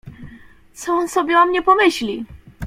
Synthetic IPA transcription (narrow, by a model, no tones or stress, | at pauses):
t̪sɔɔnsɔbʲjɛɔmɲɛpɔmɘɕlʲi